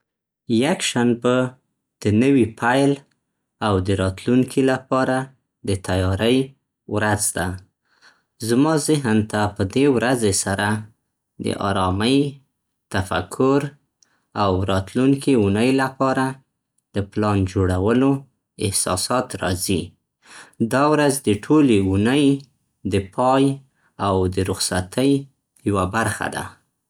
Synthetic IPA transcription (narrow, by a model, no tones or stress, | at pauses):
jakʃanbə | d̪̥ənəwipʰajl | awd̪əɾɑt̪luŋkʰilapɑɾa | d̪ət̪ajɑɾəj | wɾazd̪a | zmɑzɪɦənt̪apəd̪ewɾazesaɾa | d̪ə̰ʔɑ̰ɾɑməj | t̪afa̰kʰːʊɾ | awɾɑt̪luŋkiunəjlapɑɾa | d̪̥əplɑnd͡ʒoɽawəlo | ɪhsɑ̰sɑt̪ɾɑzi | d̪ɑwɾazd̪əʈʰoleunəj | d̪əpʰɑj | awd̪əɾʊxsat̪ʰəj | jawabaɾxa̰d̪a̰